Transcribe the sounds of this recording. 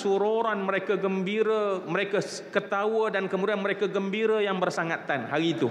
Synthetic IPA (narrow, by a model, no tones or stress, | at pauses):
suɾoɾanməɾekaɡəmbiɾaməɾeka | kət̪awədankəmudianməɾekaɡəmbiɾajaŋbərsaŋat̪anhaɾit̪u